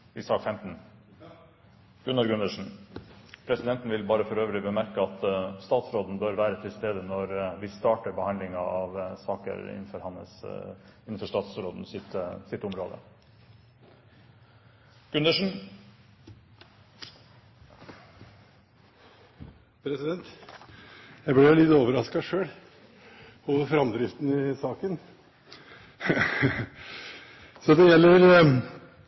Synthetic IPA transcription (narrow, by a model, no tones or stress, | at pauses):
ɪsɑːkfɛmt̪n̩ | ɡ̥ʉnəɾɡʉnd̪əʂɳ̩ | pʰɾɛsɪd̪ɛnt̪n̩ʋɪlbɑːɾəfɔɾøːʋəlɪbəmæɾkəɑt̪st̪ɑːt̪sɾoːd̪n̩bøːɾʋæːɾət̪ʰɪlst̪eːd̪ənɔɾʋɪst̪ɑːʈəɾbəhɑnd̪lɪŋɑɑʋsɑːkə̰ɾɪ̰nn̩fɔɾhɑnə̰sɪn̩fɔʂʈɑːt̪sɾoːd̪n̩sɪt̪sɪt̪ːʊmɾoːd̪ə̰ | ɡ̥ʉnd̪əʂn̩ | pʰɾɛsɪd̪ɛnt̪ | jæɪblɛjʊlɪt̪oːʋəɾɑskɑʂøːɽ | hoʋəfɾɑmd̪ɾɪft̪n̩ɪsɑːkən | sɔd̪ɛjɛlːəɾ